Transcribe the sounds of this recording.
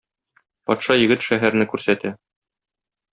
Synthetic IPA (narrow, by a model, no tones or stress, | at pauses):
pɒt̪ʃɑjɘ̆ɡɘt̪ʃæɦæɾ̆nɘkʉɾsæt̪æ